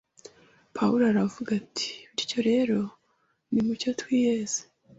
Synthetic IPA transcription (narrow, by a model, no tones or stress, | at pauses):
pʰauɾoaɾavuɡatʰi̥βiɾco̞ɾe̞ɾo̞ | nimuco̞twiːjez̥e̥